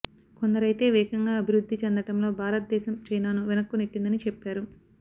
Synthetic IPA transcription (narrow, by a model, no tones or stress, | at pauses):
ko̞nd̪ɐɾɐjt̪e̞ːʋɛːkɐŋɡaːɐbʱiɾud̪ːit͡ʃend̪ɐʈɐmlo̞ːbʱaːɾɐt̪̚d̪ɛːʃɐmt͡ʃɐjnaːnuʋinɐkːuniʈːind̪ɐnit͡ʃɛpːaːɾu